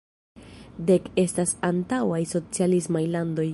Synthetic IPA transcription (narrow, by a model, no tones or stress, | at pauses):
de̞ke̞stasantawajso̞t͡sialismajlando̞j